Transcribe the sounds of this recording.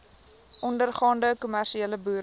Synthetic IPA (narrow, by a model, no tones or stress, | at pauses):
ʔɔndərχɑːndəkumærʃieləbuːɾ